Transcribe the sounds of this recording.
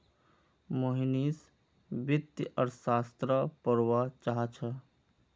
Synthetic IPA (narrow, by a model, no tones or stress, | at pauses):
moɦinis | bɪt̪jʔəɾsaːst̪ɾəpəɾwat͡ʃaɦat͡ʃʰə